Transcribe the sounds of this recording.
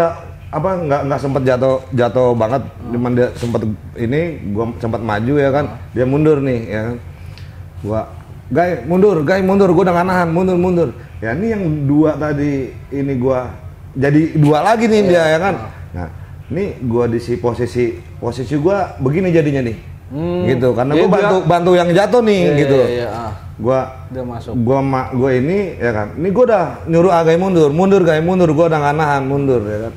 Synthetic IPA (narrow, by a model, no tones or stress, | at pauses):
a | apaŋɡaŋɡaʔsəmpat̪̚d͡ʒat̪od͡ʒat̪obaŋət̪̚t͡ʃumandiasəmpat̪̚iniɡuasəmpat̪̚ma̰d͡ʒujakan | diamundʊrnɪhjakan | ɡua | ɡajmundʊrɡajmundʊrɡuadaŋanaɦanmundʊrmundʊr | janijaŋduat̪adiː | niɡua | d͡ʒadidualaɡinɪdiajakanna̰niɡuadisiposisi | posisiɡuabəɡinid͡ʒadiɲanɪh | ɡit̪̬ukaɾənaɡuabant̪ubant̪ujaŋd͡ʒat̪ɔnɪhɡit̪u | ɡua | ɡuamaɡuainijaka̰nniɡuadahɲuɾʊaɡajmundʊrmundʊrɡajmundʊrɡuadahŋanaɦanmundʊrjakan